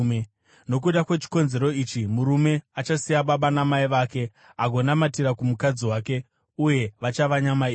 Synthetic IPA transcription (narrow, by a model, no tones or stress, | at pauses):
no̞k̬uɗakwe̞t͡ʃi̥ko̞nze̞ɾo̞iːt͡ʃimuɾume̞at͡ʃasijaɓaɓanamaiʋaːke̞ | aɡʱo̞namatiɾakumukad͡ziwaːke̞ | uje̞ʋat͡ʃaʋaɲamai